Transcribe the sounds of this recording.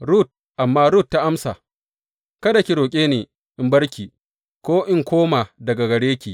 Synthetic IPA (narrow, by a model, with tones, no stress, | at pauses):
ɾu˦˨t̚ | ʔa˨mːaː˦ɾu˦˨tːa˦ʔa˦msa̰˨ | kɐ˦da˨kʲi˨ɾoː˨kʲʼeː˦neː˨ | ʔɪ˦mbɐ˦ɽkʲiː˨ | kʷoː˦ʔɪ˦ŋkʷoː˦ma˨dɐ˨ɡa˨ɡɐ˨ɽeː˦kʲiː˨